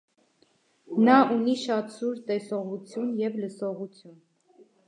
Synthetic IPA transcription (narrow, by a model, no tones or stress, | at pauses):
nɑʔuniʃɑt̪suɾt̪ɛsɔʁut͡sʰjunjɛvləsɔʁut͡sʰjun